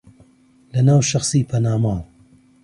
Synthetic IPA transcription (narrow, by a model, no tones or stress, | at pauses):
lɐnaːwʃɐxsiːpʰɐnaːmaːw